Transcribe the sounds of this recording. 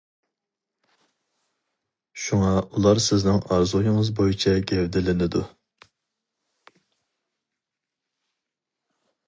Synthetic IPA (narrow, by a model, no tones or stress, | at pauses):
ʃuŋɑulˠɑɾsɪznɪŋɑɾzujɪŋəzbojit͡ʃʰɛɡʲɛwd̪ɪlɪnɪd̪u